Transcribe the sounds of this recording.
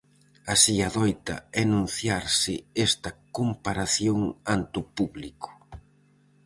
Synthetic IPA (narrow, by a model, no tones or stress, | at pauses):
asiaðɔjt̪ɐ̰ɛnũn̟θjaɾsɪɛst̪ɐkompaɾaθjoŋant̪upuβlikʊ̥